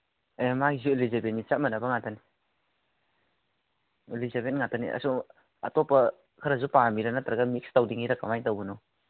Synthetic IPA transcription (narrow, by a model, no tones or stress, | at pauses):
emaɡizulizebenːit͡ʃatmɐnabaŋatani | elizabenŋatanḭa̰su | a̰tɔpɐ | kʰɯɾazupaŋamiɾanataɾaɡamikstawdiŋiɾakamajtawɡɯnɔ